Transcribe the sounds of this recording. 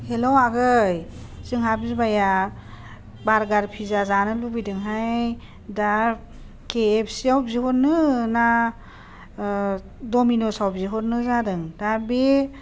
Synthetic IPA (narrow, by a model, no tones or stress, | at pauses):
helowaɡɯjz̥ɯŋɦabzibaja | baɾɡaɾpʰizazanɯlubidɯŋɦaj | da | keːpʰsiawbziɦɔt̚nɯna | dɔminosawbziɦɔt̚nɯzadɯŋdabe